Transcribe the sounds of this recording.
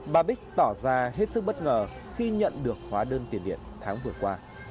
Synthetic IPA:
ɓaː˧˩ɓï˦˥k̚t̪ɔ˧˩zaː˧ɦe˦˥t̚sɨ˦˥k̚ɓə˦˥t̚ŋəː˨˩ | xi˧ɲə̰˧˨nɗɨ˨˩ək̚hwaː˨˦ɗəː˧nt̪i˨˩ənɗḭ˧˨ənt̪ʰaː˨˦ŋvɨ˨˩əkwaː˧

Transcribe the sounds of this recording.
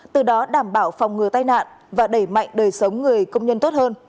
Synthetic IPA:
t̪ɨ˨˩ɗɔ˨˦ɗaː˧˩mɓaː˧˩wfɔ˨˩wŋ͡mŋɨ˨˩ət̪aː˧jna̰ː˧˨n | vaː˨˩ɗə˧˩jma̰˧˨jŋ̟ɗəː˨˩jsə˨˦wŋ͡mŋɨ˨˩əjkə˧wŋ͡mɲə˧nt̪o˦˥t̚həː˧n

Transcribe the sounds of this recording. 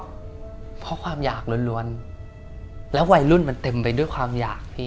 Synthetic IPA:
pʰɔ˦˥kʰwaː˧mjaː˨˩k̚lu˧nlu˧ən | lɛː˦˥wa˧jlu˥˩nma˧nt̪e˧mpa˧jdu˥˩əjkʰwaː˧mjaː˨˩k̚t̪ʰiː˥˩

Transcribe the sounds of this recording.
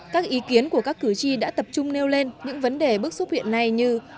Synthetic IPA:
kaː˦˥k̚ʔi˨˦ki˨˦ənku˧˩əkaː˦˥kːɨ˧˩t͡ɕi˧ɗa̰ː˧˥t̪ə˨˩p̚t͡ɕʊ˧ŋ͡mne˧wle˧nɲɨ̰˧˥ŋvə˨˦nɗe˨˩ɓɨ˦˥ək̚su˦˥t̚hwḭ˧˨ənːa˨˩jɲɨ˧

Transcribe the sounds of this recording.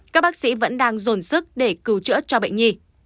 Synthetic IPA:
ka˦˥k̚ɓa˦˥k̚sḭ˧˥və̰˧˥nɗaː˧ŋzo˨˩nsɨ˦˥k̚ɗe˧˩kɨ˨˩wt͡ɕɨ̰˧˥t͡ɕɔ˧ɓḛ˧˨jŋɲi˧˩

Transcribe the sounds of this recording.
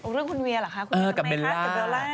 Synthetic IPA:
ʔɾɯ˥˩əŋkʰu˧nwi˧əlaː˨˩kʰa˦˥kʰʔɤː˧ka˨˩be˧llːaː˦˨˩be˧laː˥˩

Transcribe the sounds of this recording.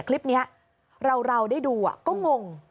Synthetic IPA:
kʰli˦˥p̚ni˦˥ɐ | ɾa˧wɾa˧wdaː˥˩jduː˧a̰˨˩kɔː˥˩ŋo˧ŋ

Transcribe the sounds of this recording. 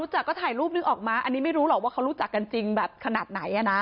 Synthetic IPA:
u˦˥t͡ɕa˨˩kːɔː˥˩t̪ʰaː˨˩jɾuː˥˩p̚nɯ˨˧˩ŋʔɔː˨˩k̚maː˧ʔa˧nːiː˦˥ma˥˩jɾuː˦˥lɔ˨˩k̚waː˥˩kʰa˦˥wɾuː˦˥t͡ɕa˨˩kːa˧nt͡ɕi˧ŋbɛː˨˩p̚kʰa˧naː˨˩t̪̚na˩˦jʔa˨˩na˦˥

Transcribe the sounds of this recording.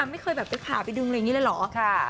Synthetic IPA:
a˧ma˥˩jkʰɤː˧jbɛː˨˩p̚t͡ɕe˧˦˩pʰa̰ː˨˩˦pa˧jdu˧ŋlja˨ŋiː˦˥lɤː˧lɔː˩˦kʰa˧˩

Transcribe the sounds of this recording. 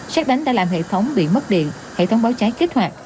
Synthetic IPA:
saː˦˥k̚ɗa˨˦jŋ̟ɗa̰ː˧˥laː˨˩mhḛ˧˨t̪ʰə˨˦wŋ͡mɓḭ˧˨mə˦˥t̚ɗḭ˧˨ən | hḛ˧˨t̪ʰə˨˦wŋ͡mɓaː˨˦wt͡ɕaː˨˦jki˦˥k̚hwaː˨˩t̚

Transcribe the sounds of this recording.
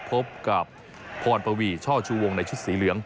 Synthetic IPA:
pʰo˦˥p̚ka˨˩p̚ʰː | ɔː˨˩t̪̚pa˧wiː˧˩t͡ɕʰɔː˥˩t͡ɕʰuː˧˩wo˧ŋna˧jt͡ɕʰu˦˥t̪̚siː˩˦lɯ˩˦əŋ

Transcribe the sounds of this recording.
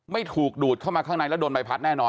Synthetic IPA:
ma˥˩jt̪ʰuː˨˩k̚duː˨˩kʰa˥˩wmaː˧kʰaː˥˩ŋnaː˧˩lɛ˦˥˩doː˧nmba˧jpʰa˦˥nɛː˥˩nɔː˧

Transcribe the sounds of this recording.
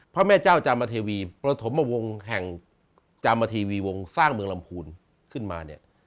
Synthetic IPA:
pʰɾɔ˦˥mɛː˥˩t͡ɕaː˥˩wt͡ɕaː˧mːaː˧t̪ʰeː˧wiː˧pɾa˧t̪ʰo˩˦mːaː˧˩wo˧ŋɦɛ˨˩ŋ | t͡ɕaː˧mːaː˧t̪ʰiː˧wiː˧wo˧ŋsaː˥˩ŋmɯ˧ə˧ŋla˧mpʰuː˧n | kʰɯ˥˩nma̰ː˧nḭ˥˩ɐ

